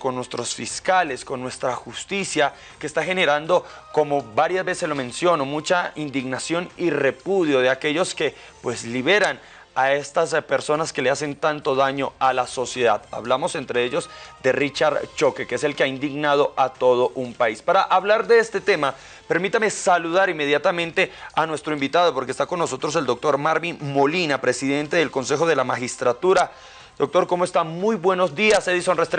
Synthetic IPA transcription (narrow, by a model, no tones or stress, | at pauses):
ko̞nːwe̞st̪ɾo̞sfiskale̞sko̞nːwe̞st̪ɾaxust̪isja | ke̞ːst̪axe̞ne̞ɾand̪o̞ko̞mo̞βaɾjazbe̞selo̞mẽ̞nsjo̞no̞mut͡ʃaind̪iɣnasjo̞nire̞puðjo̞ðe̞ake̞ʝo̞ske̞ | pwe̞sliβe̞ɾan | ae̞st̪aspe̞ɾso̞naske̞lease̞nt̪ant̪o̞ðaɲo̞alaso̞sje̞ðaða̰βlamo̞se̞nt̪ɾe̞eʝo̞zd̪e̞rit͡ʃaɾt͡ʃo̞kekeese̞lkeaind̪iɣnað̞o̞ʔat̪o̞ð̞o̞ʔumpaispaɾaʔaβlaɾd̪e̞est̪e̞t̪e̞ma | pe̞ɾmit̪ame̞saluðaɾime̞ðjat̪amẽ̞nt̪e̞anwe̞st̪ɾo̞imbit̪aðo̞poɾkest̪ako̞nːo̞so̞t̪ɾo̞s̬e̞ld̪o̞k̚t̪o̞ɾmaɾminmo̞linapɾe̞siðe̞nt̪e̞ðe̞lko̞nsexo̞ð̞e̞lamaxist̪ɾat̪uɾa | d̪̥o̞k̚t̪o̞ɾko̞moe̞st̪amujbwe̞no̞zd̪iaseðisonrest̪ɾ